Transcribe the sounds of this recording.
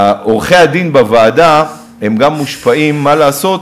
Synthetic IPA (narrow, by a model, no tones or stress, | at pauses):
aʔoʁχe̞ad̪inbavaːd̪a | emɡamːuʃpaimːalaːso̞t̪